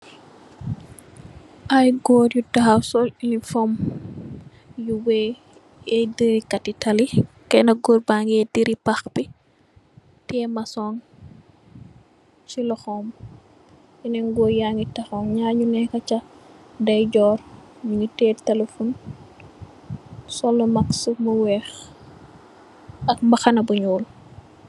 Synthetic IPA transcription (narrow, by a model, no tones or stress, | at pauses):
ʔajɡɔːɾjutɐxawsɔlinifɔm | juwɛ | ɛdiɾikɐtitɐlikɛnɐɡoːɾbaŋɡɛdiɾipaxbi | tɛmɐsɔn | t͡ʃilɔxɔm | jinɛŋɡɔjaŋɡitɐxɔːmɲaːɲunɛkɐt͡ʃɐdɐjɟɔːrmuɲutɛːtɐlefun | sɔlːɔmɐksumuwɛːx | ɐk̚mbɐxɐnɐbuɲuːl